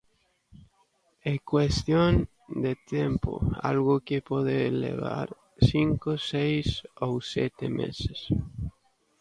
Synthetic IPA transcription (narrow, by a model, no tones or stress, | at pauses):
ekwest̪jon | d̪et̪jempo̰a̰lɣʊkepɔðelḛβa̰ɾ | siŋkosejsowsɛt̪emḛses